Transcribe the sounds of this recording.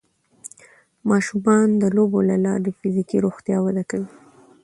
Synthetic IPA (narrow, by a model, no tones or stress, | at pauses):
mɑʃumɑnd̪əlobolalɑɾefizikiɾoxt̪jɑwad̪akawi